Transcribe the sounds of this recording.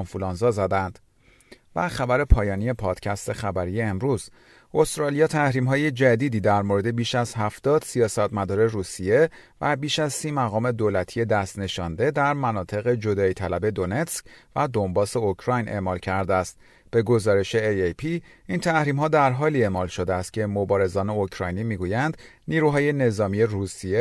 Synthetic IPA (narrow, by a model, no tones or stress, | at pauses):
nfulɒnzɒːzæd̪ænd̪̥ | væ̰xæbæɾe̞pʰɒːjɒːnije̞pʰɒːd̪̥cʰæst̪e̞xæbæɾijeːmɾuːz | o̞st̪ɾɒlijɒːt̪ʰæhɾiːmɦɒːje̞d͡ʒæd̪iːd̪iːd̪æɾmoɾe̞d̪e̞biːʃæzhæft̪ɒːd̪̥sijɒːsæt̪ʰmæd̪ɒːɾe̞ruːsije̞væbiːʃæzsiːmæɣɒːme̞d̪olæt̪ʰije̞d̪æst̪ne̞ʃɒnd̪e̞d̪æɾmænɒːt̪ʰe̞ɣe̞d͡ʒo̞d̪ɒːit̪ʰælæbe̞d̪o̞ne̞t̪scvæd̪o̞mbɒːse̞ocʰɾɒjnʔe̞̰ʔmɒːlcʰæɾd̪eæst̪̚ | b̥e̞ɡo̞zɒːɾe̞ʃe̞ejejpʰiint̪ʰæhɾiːmɦɒːd̪æɾɦɒːliːe̞mɒːlʃo̞d̪eæst̪̚cʲʰe̞mobɒːɾe̞zɒːne̞ocʰɾɒːjniːmiːɡujænd̪ | niːɾuɦɒːje̞ne̞zɒːmije̞ɾusije